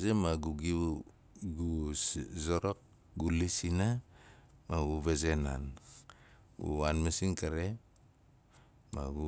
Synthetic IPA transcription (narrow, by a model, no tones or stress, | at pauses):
zemaɡuɡiβu | ɡuzoɾok̚ | ɡulisina | maɡuβezenan | ɡṵanmasinkaɾe | maɡu